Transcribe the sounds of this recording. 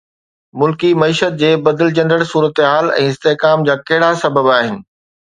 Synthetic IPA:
mʊlkimɐiːʃət̪̚d͡ʑeːbɐd̪ɪld͡ʑɐ̃ndəɽsuːɾət̪ɦaːlɛ̰̃ːɪst̪eɦkaːmd͡ʑaːkɐɦɪɽasɐbəbaːɦɪnɪ̆

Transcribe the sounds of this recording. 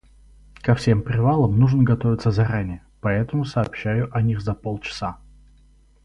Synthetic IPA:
kɐfsʲe̞mpɾʲɪvalˠəmnuʐnəɡɐt̪ovʲɪt̪səzɐɾanʲɪjə | pɐɛt̪əmʊsɐːpɕːæjʊʔɐnʲixzɐpolˠt͡ɕɪ̥sa

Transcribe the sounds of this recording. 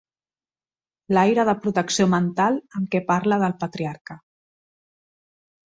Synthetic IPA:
lajɾəð̞əpɾut̪əksjomənt̪alˠəmkɛpaɾləðəlˠpət̪ɾiaɾkə

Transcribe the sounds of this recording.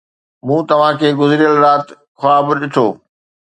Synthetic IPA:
mũːt̪ɐʋ̤ãkʰeːɡʊzɾijəlɾaːt̪ | xaːbɗɪʈʰoː

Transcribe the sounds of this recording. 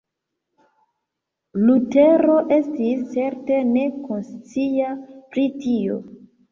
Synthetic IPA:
lute̞ɾo̞ʔe̞stist͡se̞ɾte̞ne̞konst͡siapɾitio̞̰

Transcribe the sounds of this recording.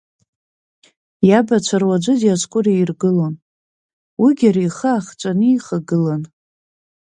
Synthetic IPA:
jabat͡ʃʷʰarwad͡ʒʷʊdjasʼkʷʼʊreirɡɨlon | wiɡʲaɾijχaaːχt͡ʃʷʼaniiχaɡɨlan

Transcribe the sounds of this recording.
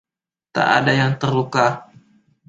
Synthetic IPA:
t̪a̰ʔa̰dajaŋt̪ərluka

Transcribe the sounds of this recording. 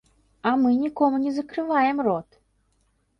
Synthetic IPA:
ɐmɨnʲikɔmunʲɛzɐkɾɨvajɛmrɔt̪

